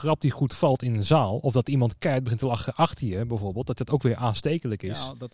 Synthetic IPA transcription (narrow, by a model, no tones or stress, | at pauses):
χrɑp̚diχutfɑlˠtɪnənzaːlˠɔvdɑtimɑntkɛɹt̚bəχɪntəlɑχəʔɑχtiəbɛjvoːɹbeːlˠt̚dɑtdɑtowkʋɪːɹʔaːnstejkələkɪs